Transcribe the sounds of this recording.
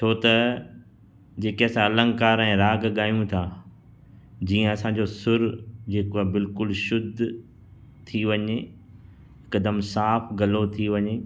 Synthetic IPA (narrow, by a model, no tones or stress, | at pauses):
t̪ʰoːt̪ɐ | d͡ʑeːkeəsãɐlə̃ŋɡkaːɾɛ̃ːɾaːɡɠaːijũt̪ʰaː | d͡ʑiːə̃ɐsãd͡ʑoːsʊɾd͡ʑeːkoabɪlkʊlʃʊd̪ʱ | t̪ʰiʋɐɲe | ɪkəd̪əmsaːfɡɐlot̪ʰiʋɐɲeː